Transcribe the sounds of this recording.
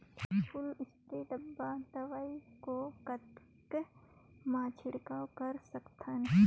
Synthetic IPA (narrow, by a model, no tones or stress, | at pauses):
pʰʊlɪsk̪ed̪ɐbːad̪ɐʋaːikokɐt̪ | k | maːt͡ʃʰɪɽkawkɐɾsɐkt̪ʰən